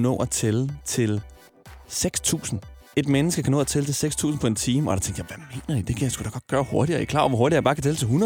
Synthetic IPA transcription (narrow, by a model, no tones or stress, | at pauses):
nɔ̰̽ːæt͡sʰelət͡sʰe̝l | seɡ̥st͡sʰṵːsn̩e̝d̥menəsɡ̥əkʰænɔ̰ːæt͡sʰelət͡sʰe̝lseɡ̥st͡sʰṵːsn̩pʰɒ̽e̝nt͡sʰiːməɒdɑt͡sʰeŋɡ̥d̥jaʋæme̝̰ːnɐd̥id̥e̝kʰjasɡ̥ud̥ɑɡ̥ɒ̽d̥̚ɡ̥ɶːɐho̝ɐɾiɐjikʰlɑ̰̈ːɒʋɒɦoɐdiɐjɑbɑ̈ːkʰæt͡sʰelət͡sʰe̝lɦunɐ